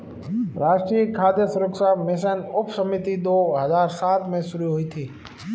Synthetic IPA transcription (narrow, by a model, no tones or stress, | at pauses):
ɾaːʃʈɾiːəkʰaːd̪jəsʊɾəksaːmɪs̬ənʊpsəmɪt̪id̪oːɦəzaːɾsaːt̪mẽsʊɾuɦoiːt̪ʰiː